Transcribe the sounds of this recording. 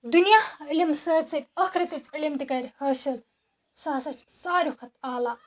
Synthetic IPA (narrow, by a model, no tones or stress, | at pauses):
d̪unjailʲimsəːt͡sɐt̪ʲɐkʰɾɐt̪ɐt͡ʃilʲimt̪ikɐɾʲhɐsil | saːsɐt͡ʃʰsaːɾʲukʰɐt̪aːlaː